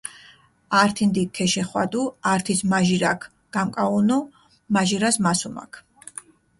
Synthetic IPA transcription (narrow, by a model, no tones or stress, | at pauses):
aɾt̪ʰind̪ikʰɛʃɛχwa̰d̪uaɾt̪ʰismaʒiɾakʰ | ɡ̥amkʼaunu | maʒiɾasmasuma̰kʰ